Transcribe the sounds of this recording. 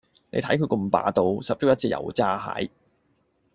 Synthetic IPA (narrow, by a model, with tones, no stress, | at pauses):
nḛ˨˧jt̪ʰɐ˨˥jkʰɵ˨˧kɵ˧mpa̰ː˨˧t̪o˧wsɐ˨p̚t͡so˧˥wjɐ˥t̚t͡si˧jɐ̰˨˩wt͡saː˥ha̰ː˨˥j